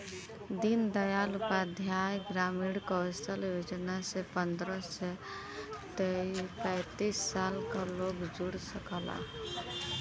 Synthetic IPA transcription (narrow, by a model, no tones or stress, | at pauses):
d̪ind̪əjalupad̪ʱjajɡɾamiɽkəəst̪əljod͡ʒnasepənd̪ɾəsːe | t̪epə̃ɪt̪isːalkalokd͡ʒuɽsəkəla̰